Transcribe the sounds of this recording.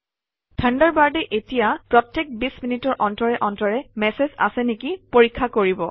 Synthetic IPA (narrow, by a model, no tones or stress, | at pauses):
tʰəndaɹbaɹdɛʔetijapɹɔtːek̚bisminitɔɹʔɔntɔɹɛʔɔntɔɹɛmɛseza̰sɛnekipoɹikʰːakoɹibɔ